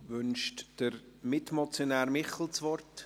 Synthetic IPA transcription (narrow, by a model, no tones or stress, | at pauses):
vʏnʃtd̥əɾ | mɪtmɔt͡sjonɛːɾmɪχl̩t͡sʋɔrt